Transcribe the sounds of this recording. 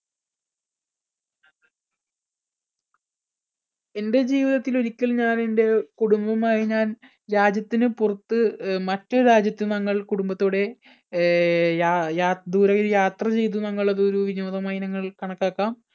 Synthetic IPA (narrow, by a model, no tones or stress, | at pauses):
e̞nde̞d͡ʑiːʋiðɐt̪ːilo̞ɾikʲːɐɭɲaːne̞nde̞kuɽumbɐmaːjiɲaːn | ɾaːd͡ʑjɐt̪ːinɨpurɐt̪ːɨmɐtːoɾaːd͡ʑjɐt̪ːunɐŋːɐɭkuɽumbɐt̪ːoːɽe̞ | jajaːd̪uːɾɐɣɾjaːt̪rɐt͡ɕe̞jt̪̬ːunɐŋːɐɭɐðɨo̞ɾuʋino̞ːd̪ɐmaːjinɐŋːɐɭkɐɳɐkːaːkːaːm